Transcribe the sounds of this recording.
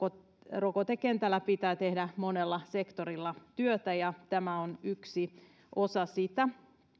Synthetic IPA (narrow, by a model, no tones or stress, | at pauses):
rokot̪ekent̪ælːæpit̪æːt̪ehdæmonelːɑsekt̪oɾilːɑt̪yøt̪æjɑt̪æmæonyksi | ʔosɑsit̪æ